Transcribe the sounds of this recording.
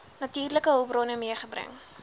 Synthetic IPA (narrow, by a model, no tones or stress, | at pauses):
nɐtiːrləkəɦowbrɔnəmiəχəbrə̰ŋ